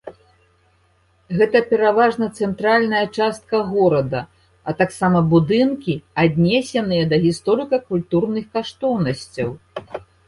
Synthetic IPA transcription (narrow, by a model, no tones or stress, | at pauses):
ɣɛt̪ɐpʲɛɾavaʐnɐt̪sɛnt̪ɾalʲnɐjɐt͡ʂast̪̚kɐɣɔɾɐd̪ɐ | ɐt̪aksamɐbud̪ɨnkʲiad̪ʲnʲɛsʲɛnɨjɐd̪ɐɣʲist̪ɔɾɨkɐkulʲt̪urnɨxkaʂt̪ɔwnɐsʲt͡sʲɐw